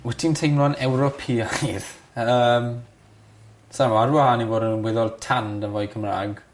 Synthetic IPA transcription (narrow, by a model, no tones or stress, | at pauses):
wɛtʰintʰejmlɔnɛwɾɔpʰiajð | əːm | samaɾwaaːniboːdənnwɛðɔlˠtʰandənvɔjkʰəmra̰ːɡ